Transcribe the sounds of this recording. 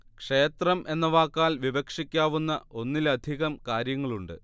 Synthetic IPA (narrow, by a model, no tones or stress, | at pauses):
kʂe̞ːt̪rɐmʔe̞nːɐʋaːkːaːlʋiʋɐkʂikʲːaːʋunːɐʔo̞nːilɐd̪ʱiɣɐmkaːɾjɐŋːɐɭuɳɖɨ̰